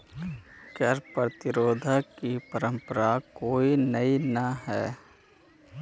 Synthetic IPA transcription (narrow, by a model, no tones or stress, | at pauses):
kɐɾpɾət̪ɪɾoːd̪ʱakipɐɾə̃mpəɾakoːinɐinɐɦɛː